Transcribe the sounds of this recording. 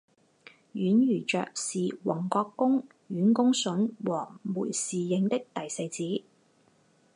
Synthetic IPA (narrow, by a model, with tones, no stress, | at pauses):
jyː˨˥njyː˨˩t͡ʃœ̰ː˨k̚siː˨wɔ˨˩ŋkɔː˧kːʊ˥ŋ | jyː˨˥nkʊ˥ŋsɵ˨˥nwɔː˨˩muː˨˩jsiː˨jɪ˨˧ŋt̪ɪ˥k̚t̪ɐ˨jsɐ˧jt͡siː˨˥